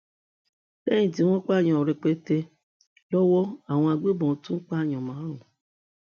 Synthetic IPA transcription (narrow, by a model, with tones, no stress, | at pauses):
bɛ̃˦ĩ˨ti˨˦w̃ɔ̃˦k͡pa˦˨ɲɔ̃˧˨ɾɛ˨k͡pe˦te˧ | lɔ˦wɔ˦a˦˨w̃ɔ̃˧a˧ɡ͡be˦bɔ̃˨˦tũ˦k͡pa˦˨ɲɔ̃˨mãː˨˦ɾ̃ũ˨